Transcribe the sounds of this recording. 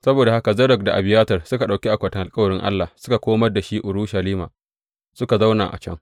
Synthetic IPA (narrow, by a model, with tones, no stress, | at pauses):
sɐ˦boː˨da˨ha˦ka˨zɐ˦ɾɐ˨k̚da˨ʔa̰˨bɪ˨jaː˦tɐ˨rsʊ˦ka˨ɗa˨wkʲi˦ʔa˨kʷɐ˨tɐ˨ʔa˨kʼɐ˦wɐ˨ɽɪ˦ŋʔa̰˦lːa˨hsʊ̥˦ka˨kʷoː˦mɐ˦rda˨ʃiː˦ʔʊ˨ɾuː˦ʃa˨liː˦ma̰ː˨ | sʊ˦ka˨za˦wna̰ː˨ʔa̰˨t͡ʃɐ̰˦ŋ